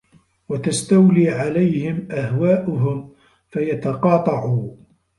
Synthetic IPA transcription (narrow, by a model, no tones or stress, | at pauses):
wat̪ast̪awliːʕalajhɪmʔahwaːʔʊɦʊm | fajat̪ɑqɑːt̪ˤɑʕuː